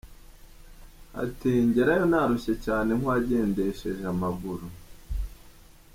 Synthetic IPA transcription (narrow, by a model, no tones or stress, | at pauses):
a̰tiɲɟeɾajonaɾuʃe̞caːne̞ŋ̥waɟe̞ːnde̞ʃe̞ʒamaɡuɾu